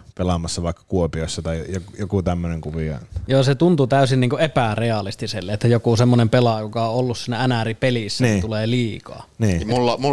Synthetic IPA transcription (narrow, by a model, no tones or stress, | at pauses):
pelɑmɑsːɑʋɑˑekːɑ̥kuopioˑsːɑt̪ɑˑijjokjokut̪æmːøneŋkuʋiɑ̰ˑjoːset̪unt̪ut̪æˑysinniːŋkuʔʔepæreɑlist̪iselːeʔet̪ːæjokusemːonempelɑjokɑoʔolːussiːnːæænæripelisːæniːuleːliːkɑ̰ːniːulːɑmu